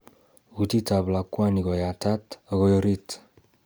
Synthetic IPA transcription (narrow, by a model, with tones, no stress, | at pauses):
ut̪i˦ta˨bla˨kwa˦ni˨ɡɔ˨ja˨ta˦taɣɔ˦jɔɾit